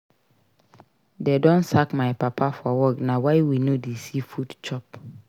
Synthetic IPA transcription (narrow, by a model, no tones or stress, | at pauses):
dedɔ̃nsakmajpapʰafɔwɔknawajwinodesifudt͡ʃɔp̚